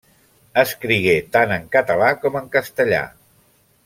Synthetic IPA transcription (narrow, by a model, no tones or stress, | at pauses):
əskɾiɣ̞et̪anəŋkət̪əlakɔməŋkəst̪əʎa̰